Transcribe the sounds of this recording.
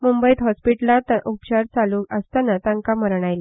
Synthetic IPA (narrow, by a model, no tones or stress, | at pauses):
mumbəit̪ɦɔspiʈlat̪aʔupt͡ɕaɾt͡salũːəst̪anat̪ãŋkaməɾɳ̃ajla